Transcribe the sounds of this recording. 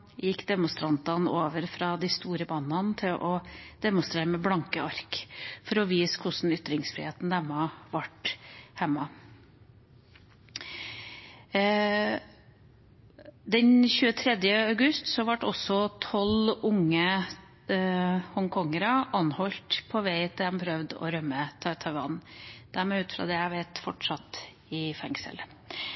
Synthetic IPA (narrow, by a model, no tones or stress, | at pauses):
jɪkːd̪ɛmʊnst̪ɾɑnt̪ɑnoːʋəɾfɾɑd̪æst̪uːɾəbɑːnɑnt̪ʰɪlʔɔd̪̥ɛmʊnst̪ɾeːɾəmɛblɑŋkəɑɾkfɔɾɔʋiːskʰʊsn̩ʏt̪ɾɪŋsfɾɪ̰heːt̪n̩d̪ɛmːɑʋɑʈhɛmːɑ | d̪ɛnçʉːət̪ʰɾɛd̪jəɑʉɡʉst̪sɔʋɑʈɔsɔt̪ʰɔlʊŋːə | hɔŋkʰɔŋːəɾɑʔɑnhɔlt̪pʰɔʋæɪt̪ʰɪlɛmpʰɾœʋd̪ɔ̰ɾœmːət̪ʰɑt̪ʰɑʋɑ̰nd̪̥æɾmɛːʉːt̪fɾɑ̰ːd̪ɛjæɪʋæɪt̪fɔʈʂɑt̪ | ɪfɛŋsə̰l